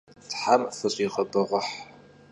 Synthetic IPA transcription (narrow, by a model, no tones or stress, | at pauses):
tħamfɨɕʼiːʁɐbɐʁʷʊħ